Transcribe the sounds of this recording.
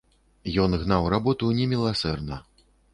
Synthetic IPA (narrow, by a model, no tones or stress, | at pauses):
jɔnɣnawrabɔt̪unʲɛmʲilˠasɛrnɐ